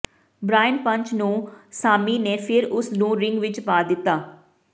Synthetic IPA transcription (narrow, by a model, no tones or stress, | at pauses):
bɾaːɪnpə̃ɲt͡ʃnũːsaːmiːneːpʰɪɾʊsnũːɾɪŋɡʋɪt͡ʃpaːd̪ɪt̪ːaː